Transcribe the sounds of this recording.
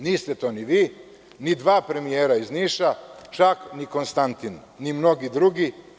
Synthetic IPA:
niːst̪et̪o̞ːniʋiː | nid̪ʋaːpɾe̞mijeːɾaizniːʃat͡ʃakniko̞nst̪ant̪inː | imno̞ɡid̪ɾuɡi

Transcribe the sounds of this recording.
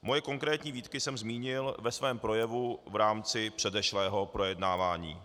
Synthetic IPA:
mo̞jɛko̞ŋkɾɛːt̪ɲiːviːt̪kɪsɛmzmiːɲɪlvɛsvɛːmpɾo̞jɛvuvɾaːmt͡sɪpr̝̥ɛdɛʃlɛːɦo̞pɾo̞jɛdnaːvaːɲḭː

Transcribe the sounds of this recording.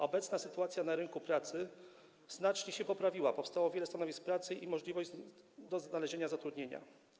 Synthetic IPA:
ɔbɛt̪snasɘt̪uat̪sʲjanaɾɘnkupɾat̪sɘ | z̥nat͡ʂɲɛɕɛpɔpɾavʲiwapɔfst̪awɔvʲjɛlɛst̪anɔvʲisk̚pɾat̪sɘʔimɔʐlʲivɔʑd̪ɔznalɛʑeɲazat̪ɾud̪ɲeɲa̰

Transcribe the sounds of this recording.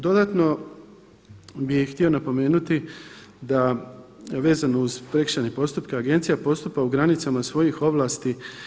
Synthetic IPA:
d̪o̞d̪at̪no̞ | bijxt̪io̞napo̞me̞ːnut̪id̪a | ʋe̞ːzano̞uz̥pɾe̞kʃanepo̞st̪upkeaɡe̞nt̪sijapo̞st̪upauɡɾanit̪samasʋo̞jixo̞ʋlˠaːst̪i

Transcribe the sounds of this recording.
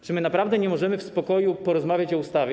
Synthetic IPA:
t͡ʂɘmɘnapɾavd̪ɛɲɛmɔʐɛmɘfspɔkɔjupɔɾɔzmavʲjat͡ɕɔust̪avʲɛ

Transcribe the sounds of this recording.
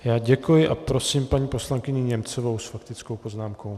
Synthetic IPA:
jaːɟɛkujɪʔapɾo̞siːmpaɲiːpo̞slaŋkɪɲɪɲɛmt͡sovo̞wsfakt̪ɪt͡skowpo̞znaːmko̞w

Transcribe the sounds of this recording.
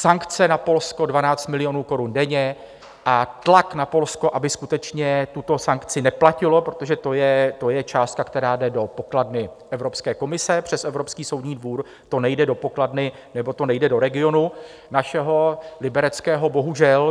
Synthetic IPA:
saŋkt͡sɛnapo̞lsko̞dvanaːt͡st̪mɪlɪjo̞nuːko̞ɾundɛɲɛ | ʔat̪laknapo̞lsko̞ʔabɪskut̪ɛt͡ʃɲɛt̪ut̪o̞saŋkt͡sɪnɛplacɪlo̞pɾo̞t̪o̞ʒɛt̪o̞jɛt̪o̞jɛt͡ʃaːst̪̚kakt̪ɛɾaːdɛdo̞po̞kladnɪʔɛvɾo̞pskɛːko̞mɪsɛpr̝̥ɛsɛvɾopskiːso̞wdɲiːdvuːɾ | t̪o̞nɛjdɛdo̞po̞kladnɪ | nɛbo̞t̪o̞nɛjdɛdo̞ɾɛɡɪo̞nu | naʃɛɦo̞lɪbɛɾɛt͡skɛːɦo̞bo̞ɦuʒɛl

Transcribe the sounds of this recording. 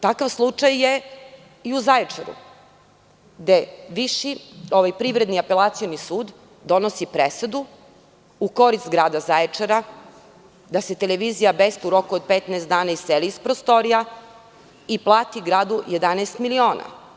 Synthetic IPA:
t̪akaʋslˠut͡ʂajːe | iuzaet͡ʂeɾṵ | d̪eʋiʃio̞ʋajpɾiʋɾed̪niapelˠat̪sijonisuːd̪ː | o̞nosipɾesed̪u | uko̞ɾist̪ɡɾaːd̪azaet͡ʂeɾa | d̪ase̞t̪eleʋiːzijabest̪uɾo̞kuod̪̚pet̪nɛːst̪d̪aːnaisseliispɾost̪o̞ɾija | iplˠaːt̪iɡɾaːd̪ujed̪anɛst̪milio̞ːna̰

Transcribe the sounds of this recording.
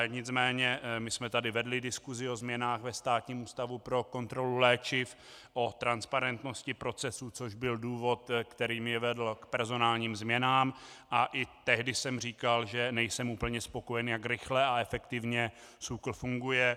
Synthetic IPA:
ɲɪt͡smɛːɲɛmɪsmɛt̪adɪvɛdlɪdɪskuzɪo̞zmɲɛnaːxvɛst̪aːt̪ɲiːmuːst̪avupɾo̞ko̞nt̪ɾo̞lulɛːt͡ʃɪf | ʔo̞t̪ɾanspaɾɛnt̪no̞scɪpɾo̞t͡sɛsut͡soʒbɪlduːvo̞t̪kt̪ɛɾiːmjɛvɛdl̩kpɛɾzo̞naːlɲiːmzmɲɛnaːmaʔɪt̪ɛɦdɪsɛmr̝iːkalʒɛnɛjsɛmuːpl̩ɲɛspo̞kojɛnjakɾɪxlɛaɛfɛkt̪ɪvɲɛ | sukl̩fuŋɡujɛ

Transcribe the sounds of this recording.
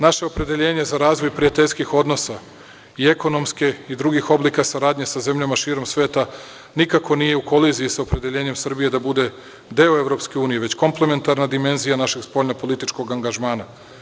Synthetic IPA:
naʃe̞o̞pɾe̞d̪e̞ʎe̞ːɲe̞zaɾaːzʋo̞jpɾiat̪e̞ʎʲskixo̞d̪no̞sa | ie̞ko̞no̞mske̞id̪ɾuɡixo̞blikasaɾaːd̪ɲe̞saze̞mʎamaʃiːɾo̞msʋe̞ːt̪a | nikako̞nije̞uko̞lizijisaopɾe̞d̪e̞ʎeːɲe̞msr̩bije̞d̪abud̪e̞ | d̪e̞oe̞ʋɾo̞pske̞uːnije̞ʋe̞t͡ɕko̞mple̞me̞nt̪aɾnad̪ime̞nzijanaʃe̞ɡspo̞ʎnopo̞lˠit̪it͡ʃko̞ɡaŋɡaʒmaːna

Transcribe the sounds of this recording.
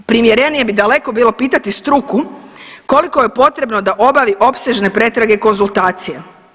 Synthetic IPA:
pɾimjeɾe̞nije̞bid̪ale̞ko̞biːlˠo̞piːt̪at̪ist̪ɾukuko̞liko̞jepo̞t̪ɾe̞bno̞d̪aʔo̞baʋiʔo̞pseʒne̞pɾe̞t̪ɾaɡeiko̞nzulˠt̪aːt̪sija

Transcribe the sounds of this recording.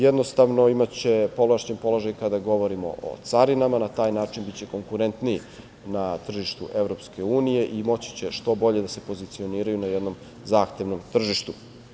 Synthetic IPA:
jed̪no̞st̪aʋno̞imat͡ɕe̞po̞laʃɲempo̞lˠo̞ʒajkad̪aɡo̞ʋo̞ɾimo̞̰ʔo̰t̪saɾinamanat̪aːjnaːt͡ʃinbit͡ɕe̞ko̞ŋkuɾent̪niji | nat̪r̩ʒiʃt̪uʔe̞vɾo̞pske̞uːnije̞ʔimo̞t͡ɕi̥t͡ɕe̞ʃt̪o̞bo̞ʎe̞d̪ase̞po̞zit̪sio̞niːɾajunajed̪no̞m | zaːxt̪e̞ʋno̞mt̪r̩ʒiʃt̪u

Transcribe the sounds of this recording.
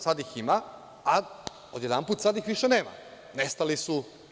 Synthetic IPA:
sad̪ixima | a | od̪jed̪anpuːt̪sad̪ixʋiʃeneːma̰ | nest̪alisu

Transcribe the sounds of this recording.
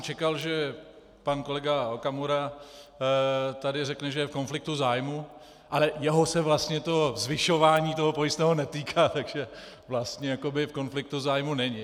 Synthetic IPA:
t͡ʃɛkalʒɛ | panko̞lɛɡaokamuɾa | t̪adɪrɛknɛʒɛjɛfko̞nflɪk̚t̪uzaːjmu | ʔalɛjɛɦo̞sɛvlast̪ɲɛt̪o̞zvɪʃo̞vaːɲiːt̪o̞ɦopojɪst̪nɛːɦo̞nɛt̪iːkʰaːt̪aɡʒɛ | vlast̪ɲɛjako̞bɪfko̞nflɪk̚t̪uzaːjmunɛɲɪ

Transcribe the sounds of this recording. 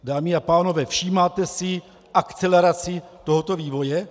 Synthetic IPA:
daːmɪapaːno̞vɛːfʃiːmaːt̪ɛsɪ | ʔakt͡sɛlɛɾat͡sɪt̪o̞ɦo̞t̪o̞viːvo̞jɛ

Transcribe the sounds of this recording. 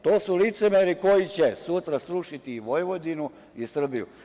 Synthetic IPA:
t̪oːsulit̪se̞meɾiko̞jit͡ɕesut̪ɾasɾuʃit̪iːʋojʋo̞d̪inu | isr̩bijṵ

